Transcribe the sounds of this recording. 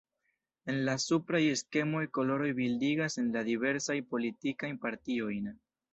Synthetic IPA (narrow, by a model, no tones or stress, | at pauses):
e̞nlasupɾaje̞ske̞mo̞jko̞lo̞ɾo̞jbildiɡase̞nladive̞ɾsajpo̞litikajnpaɾtio̞jn